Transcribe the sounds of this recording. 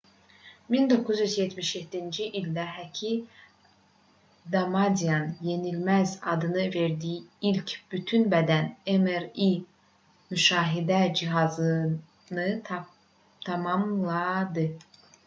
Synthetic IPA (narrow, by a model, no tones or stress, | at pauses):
mind̪o̞kʰːuzjyzjet̪ʰmiʃjet̪ʰːind͡ʒiʔilʲd̪æɦæcʰi | d̪ɑmɑd̪iɑnje̞nilmæzɑd̪ɯnɯve̞ɾd̪ijiilcʰb̥yt̪ʰynbæd̪ænemeɾi | myʃɑːɦid̪æd͡ʒiɦɑzɯ | nɯ | t̪ʰɑmɑmlˠɑd̪ɯ